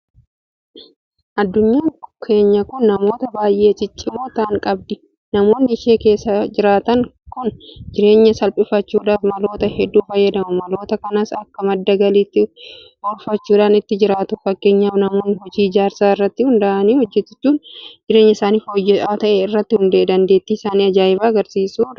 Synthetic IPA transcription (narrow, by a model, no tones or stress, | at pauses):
ʔɐd̪ːʊɲːaːkʰe̞ːɲːɐkʊnːɐmo̞ːt̪ɐbaːjʔe̞ːt͡ʃʼɪt͡ʃʼːɪmo̞ːt̪aːŋkʼɐb̚d̪ɪ | nɐmo̞ːnːɪɪʃe̞ːke̞ːsːɐd͡ʒɪɾaːt̪ɐŋ | kʊnd͡ʒɪɾe̞ːɲːɐsɐlpʼɪfɐt͡ʃːuːᶑaːfmɐlo̞ːt̪ɐhɛd̪ːuːfɐjːɐd̪ɐmʊmɐlo̞ːt̪ɐkɐnasɐkːɐmɐd̪ːɐɡɐliːt̪ːɪ | ɔɾfɐt͡ʃːuːᶑaːnɪt̪ːɪd͡ʒɪɾaːt̪ʊfɐkːe̞ːɲːaːfnɐmo̞ːnːɪhɔd͡ʒiːɪd͡ʒaːɾsaːɪrːɐt̪ːɪhʊnd̪ɐʔɐniːhɔd͡ʒːɛt̪ːɪ̥t͡ʃːuːnd͡ʒɪɾe̞ːɲːɐɪsaːniːfɔjːɛʔaːt̪ɐʔɛɪrːɐt̪ːɪhʊnd̪eːd̪ɐnd̪e̞ːt̪ːiɪsaːniːɐd͡ʒaːjɪbaːɡɐɾsiːsuːᶑɐ